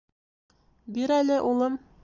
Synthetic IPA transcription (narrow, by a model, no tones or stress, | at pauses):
biɾælɘʔulˠɤm